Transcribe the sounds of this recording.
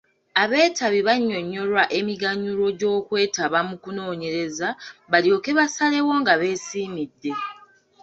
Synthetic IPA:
aβe̞ːtaβiβaɲːo̞ɲːo̞lwaʔe̞miɡaɲuɾo̞ɟo̞ːkwe̞ːtaβamukuno̞ːɲe̞ɾe̞zaβaljo̞ke̞βasale̞wo̞ŋɡaβe̞ːsiːmidːe̞

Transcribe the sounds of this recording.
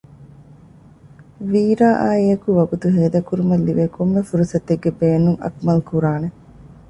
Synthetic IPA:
ʋiːɾaːʔaːiɐkuʋɐɡut̪uɦeːd̪ɐkuɾumɐlːiʋeːkomːefuɾusɐt̪ːeɡːebeːnuŋɐ̰kmɐlkuɾaːne

